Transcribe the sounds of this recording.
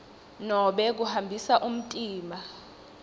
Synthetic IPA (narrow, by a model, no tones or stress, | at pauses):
nɔɓɛk̬uhambʱisaʔum̩tʼiːma